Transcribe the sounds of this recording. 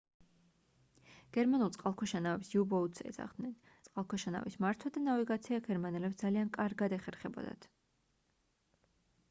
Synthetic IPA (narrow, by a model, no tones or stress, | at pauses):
ɡ̥ɛɾmanulˠtsʼqʼalˠkʰɔʃanavɛpsiubɔut̪sʼɛ̰za̰ʁd̪̥nɛn | t̪sʼqʼalˠkʰɔʃana̰vismaɾt̪ʰwad̪anaviɡat̪sʰiaɡɛɾmanɛlɛpsd̪z̥aliankʼaɾɡad̪ɛχɛɾχɛbɔ̰d̪a̰t̪ʰ